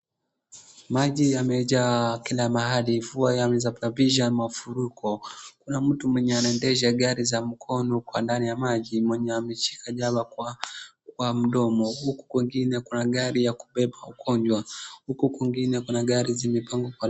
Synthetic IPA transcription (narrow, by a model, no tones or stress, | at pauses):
maʄiamɛʄakilamaɦalivuajamɛzaplaviʒanmafuɾukʰɔkunam̩tumwɛɲɛanaɛndɛʃaɠaɾizam̩kʰɔnɔkwandanijamaʄimwɛɲɛamɛt͡ʃi̥kaʄaɓa | k̚wam̩ɗɔmɔhuku̥kwiŋɡinɛkunaɠaɾijaku̥ɓɛɓaukʰɔɲd͡ʒwahukukwiŋɡinɛkunaɡaɾizimipaŋɡɔkwa